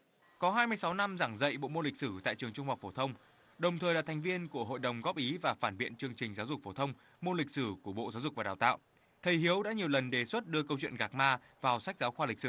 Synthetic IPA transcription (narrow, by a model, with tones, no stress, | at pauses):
kɔ˨˦ɦaː˧jmɨ˧əjsa˨˦wna˧mzaː˧˩ŋzə̰˧˨jɓo̰˧˨mo˧lï˨˩k̚sɨ˧˩t̪a̰ː˧˨jt͡ɕɨ˨˩əŋt͡ɕʊ˧ŋ͡mha˨˩w̚k͡p̚fo˧˩t̪ʰə˧wŋ͡m | ɗə˨˩wŋ͡mt̪ʰəː˨˩jlaː˧˨t̪ʰŋ̟vi˧ənku˧˩əɦo̰˧˨jɗə˨˩wŋ͡mɣɔ˦˥p̚ʔi˨˦vaː˨˩faː˧˩nɓḭ˧˨ənt͡ɕɨ˧əŋt͡ɕï˨˩ŋ̟zaː˨˦wzʊ˨˩k͡p̚fo˧˩t̪ʰə˧wŋ͡m | mo˧li˨˩k̚sɨ˧˩ku˧˩ɓo̰˧˨zaː˨˦wzʊ˨˩k̚vaː˨˩ɗaː˨˩t̪a̰ː˧˨w | t̪ʰə˨˩jhi˨˦əwɗa̰ː˧˥ɲi˨˩əwlə˨˩nɗe˨˩swə˦˥t̚ɗɨ˧əkə˧wt͡ɕwḭ˧˨ənɣaː˨˩k̚maː˧ | vaː˨˩wsa˦˥k̚zaː˨˦wxwaː˧li˨˩k̟sɨ˧˩